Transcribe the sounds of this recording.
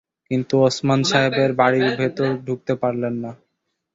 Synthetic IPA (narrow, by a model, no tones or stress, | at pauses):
kint̪uɔsmanʃaɦebeɾbaɽiɾbʱet̪oɾɖʱuk̚t̪epaɾlenːa